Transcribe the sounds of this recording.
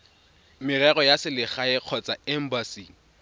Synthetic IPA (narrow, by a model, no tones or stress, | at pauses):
mɪrɛɣɔjasɪlɪχaɪq͡χʰɔt͡sʼaɛm̩basi